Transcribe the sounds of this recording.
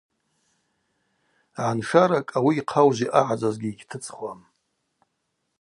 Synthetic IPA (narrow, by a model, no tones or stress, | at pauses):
ʕanʂaɾakʼawiːqʰawʒiʔaʕad͡zazɡʲiːɡʲtʰɨt͡sʼχʷam